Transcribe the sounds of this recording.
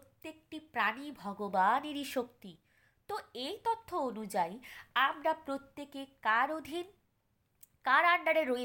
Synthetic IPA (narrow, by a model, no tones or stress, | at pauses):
t̪ːek̚ʈipɾanibʱɔɡobaneɾiʃokt̪i | t̪oejt̪ot̪ʰːoonud͡ʑajamɾapɾot̪ːekekaɾod̪ʱin | kaɾaɳɖaɾeɾoe